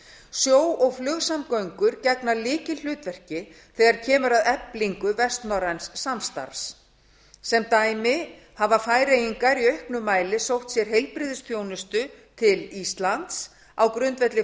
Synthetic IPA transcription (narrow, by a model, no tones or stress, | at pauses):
sjoːwɔɣflʏɣsamkœɥŋkʏɾcɛknalɪːcɪl̥ʏːt̪vɛr̥cɪ | θɛːɣaɾ̥cʰɛːmʏɾaðɛpliŋkʏvɛst̪nɔɾansːamst̪a̰ɾs | sɛmt̪aːjmɪ | havafaːjɾejiŋkaɾiœɥhknʏmaːjlɪsowht̪sjɛɾ̥ɦejlpɾɪːðʏsfjoːwnʏst̪ʏt̪ʰɪlist̪lant̪s | awkɾʏnt̪vɛt̪lɪ